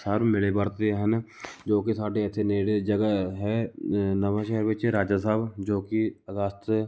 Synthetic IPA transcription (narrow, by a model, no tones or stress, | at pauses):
saːɾmɪlebəɾt̪eɦən | d͡ʒoːkisaːɖeɛːsʰeneːɽed͡ʒəɡəɦɛnəʋaʃɛɦəɾʋɪt͡ʃɦɛɾaːd͡ʒas̬aːbd͡ʒoːkiəɡast̪